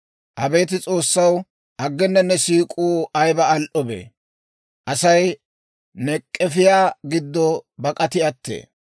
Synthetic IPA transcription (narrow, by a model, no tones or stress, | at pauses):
ʔɐbe̞ːt̪ɪt͡sʼo̞ːsːɐw | ʔɐɡːɛnːɐnːɛsiːkʼuːɐjbɐɐlʔɔbḛː | ʔɐsɐj | nɛkʼːɛfɪjaːɡɪd̪ːɔbɐkʼɐt̪ɪɐt̪ːḛː